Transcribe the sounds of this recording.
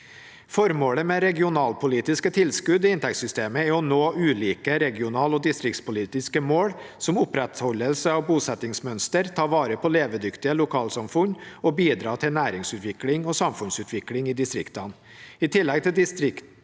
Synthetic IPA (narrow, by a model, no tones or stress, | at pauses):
fɔɾmoːɽəmɛɾɛɡɪʊnɑːlpʰʊliːt̪ɪskət̪ʰɪlskʉd̪ɪɪnt̪ʰɛksʏst̪eːməɛɔnoːʔʉːliːkəɾɛɡɪʊnɑːlɔd̪ɪst̪ɾɪk̚t̪spʊliːt̪ɪskəmoːɽsɔmʊpɾɛt̪hɔlːəlsəɑʋbuːsɛt̪ɪŋsmœnst̪əɾt̪ʰɑːʋɑːɾəpʰɔleːʋəd̪ʏkt̪ɪəlʊkʰɑːlsɑmfʉɲɔbiːd̪ɾɑːt̪ʰɪnæːɾɪŋsʉːt̪ʋɪklɪŋɔsɑmfʉnsʉːt̪ʰʋɪklɪŋiːd̪ɪst̪ɾɪkt̪ɑn | ɪt̪ʰɪlːɛɡ̚t̪ʰɪd̪ɪst̪ɾɪk̪